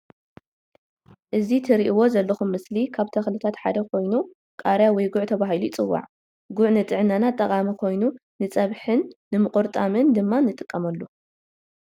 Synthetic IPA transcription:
ʔɨzit̪ʰɨɾiʔiwo̞zɐlːɐxumːɨslikʰaβt̪ʰɐxlɨt̪ʰat̪ħa̰d̪ɐkʰo̞jnu | kʼaɾjawɔjɡʊʕt̪ʰɐβaɦiluɪt͡sʼɨwːa̰ʕ | ɡʊʕnɨt̪ʼɨʕɨnanat̪ʼːɐkʼamikʰo̞jnu | nɨt͡sʼɐβħɨnːɨmɨkʼoɾt̪ʼamɨnd̪ɨmːanɨt̪ʼɨkʼːɐmɐlːu

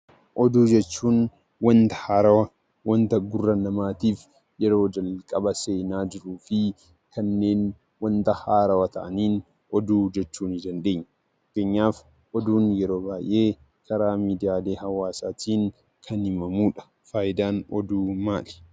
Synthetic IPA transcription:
ʔɔd̪uːd͡ʒɛt͡ʃːuːn | wɐnt̪ɐ̥haːɾɐwɐ | wɐnt̪ɐɡʊrːɐnɐmaːt̪iːf | jɛɾo̞ːd͡ʒɐlkʼɐbɐse̞ːnaːd͡ʒɪɾuːfɪ | kɐnːe̞ːn | wɐnt̪ɐhaːɾɐwɐt̪ɐ̰ʔɐniːn | ʔɔd̪uːd͡ʒɛt͡ʃːuːnɪd̪ɐnd̪e̞ːɲːɐ | ɐkːeːɲːaːf | ʔɔd̪uːnjɛɾo̞ːbaːjʔeː | kɐɾaːmiːd̪ɪjaːleːhɐwaːsaːt̪ʰiːŋ | kʰɐnhɪmɐmuːᶑɐ̥ | faːjɪd̪aːnɔd̪uːmaːlɛ̥

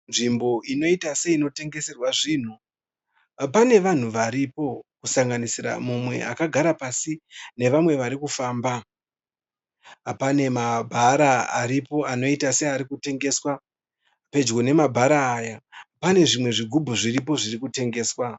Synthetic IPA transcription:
nʐimbo̞ino̞itase̞ino̞te̞ŋɡe̞se̞rwaʐiːn̤u | pane̞ʋan̤uʋaɾipo̞kusaŋɡanisira̰mumwe̞̰a̰kaɡʱaɾapasine̞ʋamwe̞ʋaɾikufaːmba | pane̞mabʱaɾaa̰ɾipo̞ano̞itase̞aɾikute̞ŋɡe̞swa | pe̞d͡ʒɡo̞ne̞mabʱaɾaːjapane̞ʐimwe̞ʐiɡʱubʱuʐirip̬o̞ʐirikute̞ŋɡe̞ːswa

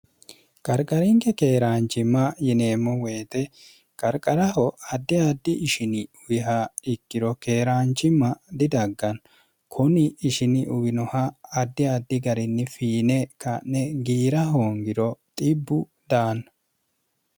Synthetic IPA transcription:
kʼɐɾkʼɐɾɪŋkɛkeːɾaːnt͡ʃːɪmːɐjɪne̞ːmːɔwe̞ːt̪ɛ | kʼɐɾkʼɐɾɐɦɔɐd̪ːɪad̪ːɪʔɪʃɪnɪʊwɪɦaɪkːɪɾɔke̞ːɾaːnt͡ʃːɪmːɐd̪ɪd̪ɐɡːɐn | kʰʊnɪːʃɪnɪʔʊwɪnɔhɐːd̪ːɪad̪ːɪɡɐɾɪnːɪfiːnɛkannɛɡiːɾɐɦoːŋɡɪɾɔt̪ʼɪbːʊ | d̪aːnɐ

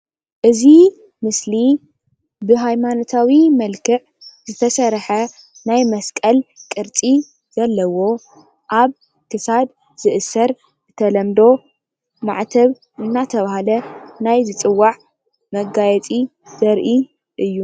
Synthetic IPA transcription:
ʔɨzi | mɨsli | bɨɦajmanot̪ʰawimɐlkʰɨʕ | zɨt̪ʰɐsɐɾħɐ | najmɐskʼɐlkʼɨɾt͡sʼi | z̥ɐlːɐwo̞ | ʔaβ | kʰɨsad̪ | z̥ɨʔɨsɐɾ | ɨt̪ʰɐlɐmd̪o̞ | ma̰ʕt̪ʰɐβ | ʔɨnːat̪ʰɐβahalɐnajzɨt͡sʼɨwːaʕ | mɐɡajɛt͡sʼi | z̥ɐɾʔi | ʔɨjːu

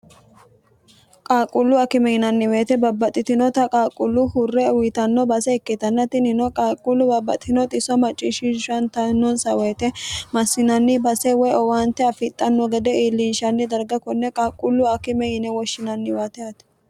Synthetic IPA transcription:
kʼaːkʼʊlːʊɐkɪmɛhɪnɐnːɪweːt̪ɛbɐbːɐt̪ʼːɪt̪ɪnɔt̪ɐkʼaːkʼʊlːʊhʊrːɛʊwɪt̪ɐnːɔbɐsɛɛkːɪt̪ɐnːɐt̪ɪnɪnɔkʼaːkʼʊlːʊbɐbːɐ̰t̪ʼːɪnɔt̪ʼɪsɔmɐt͡ʃʼːɪʃɪnʃɐnt̪ɐnːɔnsɐweːt̪ɛmɐsːɪnɐnːɪbɐsɛwɔjɔwaːnt̪ɛɐfɪt̪ʼːɐnːɔɡɛd̪ɛiːlːinʃɐnːɪd̪ɐɾɡɐkɔnːɛkʼaːkʼːʊlːʊɐkɪmɛɪnɛwɔʃːɪnɐnːɪwaːt̪ɛɐt̪ɛ̥

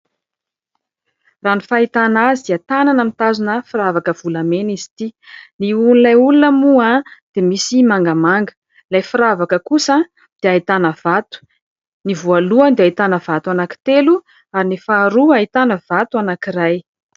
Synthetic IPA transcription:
ranifait̪anaziat̪ananamit̪azunəfiɾavakəv̥ulamenizi̥t̪iniunilajulunəmuad̪̥emisimaŋɡamaŋɡə̥ | lajfiɾavakəkusa | d̪̥eait̪anəv̥at̪u̥ | nivualuand̪eait̪anəvat̪uanaki̥t̪elu | aɾinifaɾuait̪anəv̥at̪uanakiɾaj

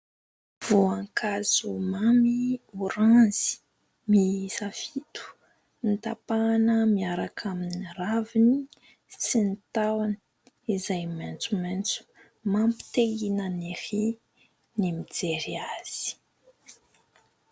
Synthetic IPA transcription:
v̥uãŋkʰazumamiuɾanzi̥ | misafit̪u̥ | nit̪apanəmiaɾakʰaminiravini | sinit̪awani̥ | izajmant͡sument͡su̥ | mampi̥t̪eɡinənehi | nimid͡zeɾiaz̥i̥

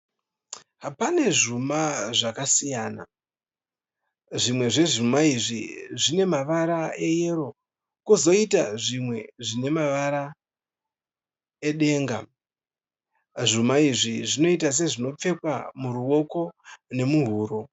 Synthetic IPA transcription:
ɦapane̞ʐumaʐakasijaːna̰ | ʐimwe̞ʐe̞ʐumaiʐiʐine̞maʋaɾae̞je̞ɾo̞ | kuzo̞ita̰ʐimwe̞ʐine̞maʋaɾa | eɗe̞ːŋɡa̰ | ʐumaiʐiʐino̞itas̬e̞ʐino̞p͡fe̞kwamuɾuo̞ko̞ne̞muɦuːɾo̞

